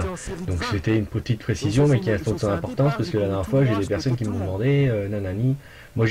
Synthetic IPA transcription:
d̪ɔ̃kset̪ɛynpət̪it̪pχesizjɔ̃mɛkʲiɛ̃st̪ɔ̃d̪sɑ̃nɛ̃pɔʁt̪ɑ̃spasə̥kəlad̪ɛʁnjɛʁfwaʒed̪epɛʁsɔnkʲimɔ̃d̪əmɑ̃d̪eønãnani | mwaʒ

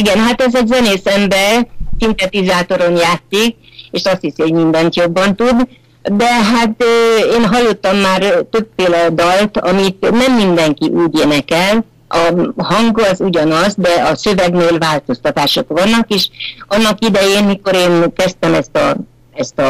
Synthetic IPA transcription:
iɡɛnɦat̪ɛzɛzɛneːsɛmbɛrsint̪ɛt̪izaːt̪o̞ɾo̞njaːt̪sik̚eːʃɒst̪hishoɟmind̪ɛnt̪jo̞bːɒnt̪ud̪ | d̪ɛɦat̪øːeːnɦɒlːo̞t̪ːɒmːaːrt̪ø̞bfeːlɛd̪ɒlt̪ɒ̰mit̪nɛmːind̪ɛŋkiʔuːɟeːnɛkɛl | ʔɒɦɒŋɡɒzuɟɒnɒzd̪ɛɒsø̞vɛɡneːlvaːlt̪o̞st̪ɒt̪aːʃo̞kʋɒnːɒkeːʃɒnːɒkid̪ɛjeːnmiko̞ɾeːnkɛst̪ɛmɛst̪ɒ̰ | ɛst̪ɒ

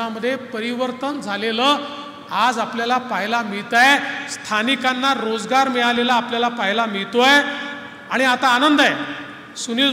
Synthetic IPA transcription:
aməd̪ʱːjepəɾiʋəɾt̪ənd͡zʱaleləː | ad͡zapljalapaɦilamiɭt̪ajst̪ʰanikanːaɾod͡zɡaɾmɛɭalelaːpljalapaɦilamiɭt̪oaj | aɽ̃iat̪aːnənd̪aj | suni

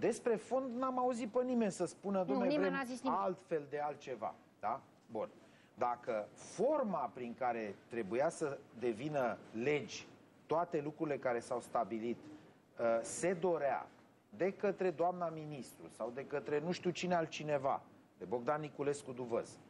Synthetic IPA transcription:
d̪e̞spɾe̞fo̞nd̪namauzit̪̚pənime̞nʲsəspunəd̪oneɾealt̪fe̞ld̪e̞alt̪̚t͡ʃe̞va̰ | d̪̥a | bun | d̪akəfo̞rmapɾiŋkaɾe̞t̪ɾe̞bujasəd̪e̞vinəle̞d͡ʒʲ | t̪ːoat̪e̞lukɾuɾile̞kaɾe̞sawst̪abilit̪ | əse̞d̪o̞ɾea̰ | d̪e̞kət̪ɾe̞d̪oamnaminist̪ɾṵsawd̪e̞kət̪ɾe̞nuʃt̪iut͡ʃinealt͡ʃine̞va̰ | d̪e̞bo̞ɡd̪anːikule̞skud̪uvə̰z̥

